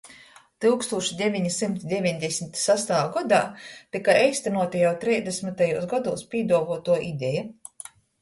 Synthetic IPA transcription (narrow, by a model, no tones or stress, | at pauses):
t̪ɨlˠkst̪uːʃid̪ʲevʲiɲisimt̪d̪ʲevʲiɲʲd̪ʲesʲmit̪sast̪aːɡɔd̪a̰ːt̪ikajajst̪anuɔt̪ajawt̪ɾɛːzd̪ʲesmit̪ajuːsɡɔd̪uːspʲiːd̪uɔvuːt̪uɔʔid̪ʲɛja